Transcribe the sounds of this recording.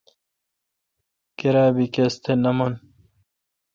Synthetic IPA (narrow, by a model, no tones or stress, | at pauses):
keɾaːbikest̪ʰenɐmon